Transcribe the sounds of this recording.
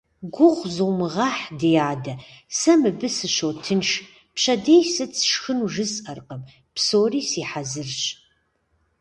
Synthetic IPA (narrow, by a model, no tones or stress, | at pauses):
ɡʷʊʁʷzɨwmɨʁɑːħdejaːdɐ | sɐmɨbɨsɨɕowtʰɨnʃ | pɕɐdejsɨt͡sʰʃxɨnuʒɨsʼɐrqəm | psoːriːsiːħazɨrɕʼ